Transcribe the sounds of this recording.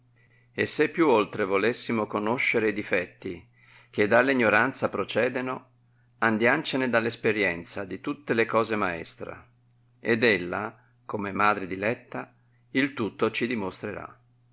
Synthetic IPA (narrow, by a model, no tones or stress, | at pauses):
esːepːjuolt̪ɾevolesːimokonoʃːeɾeid̪ifɛt̪ːi | k̟ed̪ːalːiɲːoɾant̪sapɾot͡ʃɛːd̪eno | and̪jant͡ʃened̪alːespeɾjɛnt̪sad̪it̪ut̪ːelekɔːzemaɛ̰st̪ɾa̰ | ed̪elːa̰ | komemaːd̪ɾed̪ilɛt̪ːa | ilt̪ut̪ːot͡ʃid̪imost̪ɾeɾa̰